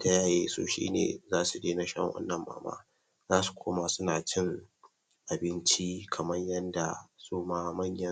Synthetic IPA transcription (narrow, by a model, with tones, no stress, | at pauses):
ta˦jaː˦˨jeː˦sṵː˦ʃḭː˦nḛː˨zaː˦su˨deː˦na˦ʃɐ̰˦ŋwɐ̰˦nːɐ˨mːa̰ː˨ma̰ː˦ | zaː˦su̥˨kʷoː˦ma˨sʊ˦naː˨t͡ʃɪ˦ŋ | ʔa˨bɪ˦nt͡ʃi˦kʰɐ˨mɐ˦ɲjɐ˦nda˨suː˦maː˦mɐ˦ɲjɐ˦